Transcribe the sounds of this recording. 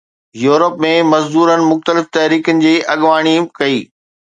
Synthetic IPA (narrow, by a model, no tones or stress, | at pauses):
juːɾəpmẽmɐzd̪uːɾənɪ̆mʊxt̪əlɪft̪ɐɦɾiːkənɪ̆d͡ʑiːʔɐɠʋaːɽ̃ikɐiː